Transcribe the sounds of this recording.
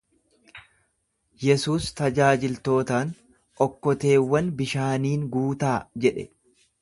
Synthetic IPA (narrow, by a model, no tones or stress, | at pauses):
jɛsuːst̪ɐd͡ʒaːd͡ʒɪlt̪o̞ːt̪aːn | ʔɔkːɔt̪e̞ːwːɐnbɪʃaːniːŋɡuːt̪aːd͡ʒɛᶑɛ